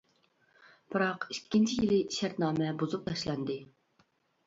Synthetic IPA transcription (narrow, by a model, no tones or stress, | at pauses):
b̥ɨɾɑqikʲːint͡ʃʰijilɪʃæɾt̪nɑːmɛbozuq̚t̪ɑʃlˠɑnd̪ɨ